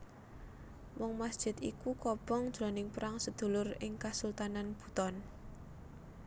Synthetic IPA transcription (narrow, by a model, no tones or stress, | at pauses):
mɔŋmasd̥ʒ̥ɪ̤t̪ikukɔb̥ɔŋd̥ʒ̥ɾɔnɪŋpəɾaŋsəd̪̥ṳlʊrɪŋkasult̪ananb̥ṳt̪ɔn